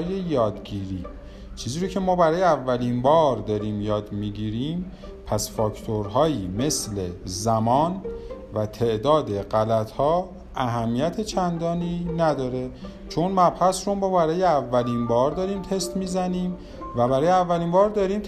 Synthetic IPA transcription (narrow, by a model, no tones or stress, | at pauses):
jejɒːd̪ɟiːɾiː | t͡ʃʰiːziːɾocʰemɒːbæɾɒːjeævːælinbɒːɾd̪ɒɾiːmjɒːd̪miɟiːɾiːm | pʰæsfɒːkt̪ʰoɾɦɒːjiːme̞sle̞zæmɒːnvæt̪ʰe̞ʔd̪ɒːd̪e̞ɢælæt̪ʰhɒː | ʔæɦæmːijæt̪ʰe̞t͡ʃʰænd̪ɒːniːnæd̪ɒːɾe̞ | t͡ʃʰonmæbhæsɾomɒːbæɾɒːjeævːæliːnbɒːɾd̪ɒɾiːmt̪ʰe̞st̪miːzæniːm | væbæɾɒːjeævːæliːmbɒːɾd̪ɒɾiːmt̪ʰ